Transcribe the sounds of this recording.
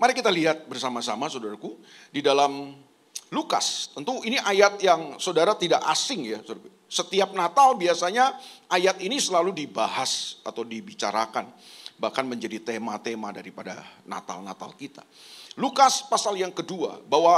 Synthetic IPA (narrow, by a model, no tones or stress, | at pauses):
maɾɛkit̪aliɦat̪̚bərsamasamasowdaɾaku | didalam | luka̰st̪ənt̪uiniʔajat̪jaŋsodaɾat̪idaʔasɪŋjas | sət̪iap̚nat̪albiasaɲaajat̪inisəlaludibaɦasat̪awdibit͡ʃa̰ɾakanbahkanməɲd͡ʒadit̪emat̪emadaɾipada̰na̰t̪a̰lna̰t̪a̰lkit̪ḁ̰ | lukaspasaljaŋkədua̰bawa